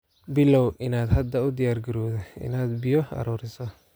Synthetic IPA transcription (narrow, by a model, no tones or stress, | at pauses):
bɪlɔwʔɪnaːd̪hɐd̪ːɐʊd̪ɪjaːrɡɐɾɔːðɔɪ̰naːd̪bɪjɔɐ̰ɾɔːɾɪsɔ